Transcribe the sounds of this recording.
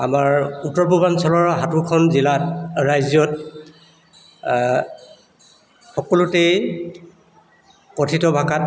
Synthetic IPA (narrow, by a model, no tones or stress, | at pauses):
a̰maɹutːɔɹpubansɔlɔɹɦatukʰɔnzilatɹajzjɔt | xɔkɔlutej | kɔtʰitɔbʱakat